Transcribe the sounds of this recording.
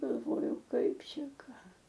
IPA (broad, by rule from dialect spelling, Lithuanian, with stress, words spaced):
ɡɐlˠˈʋoːjɛʊ ˈkɐɪp ˈʃʲɛ ˈkɑː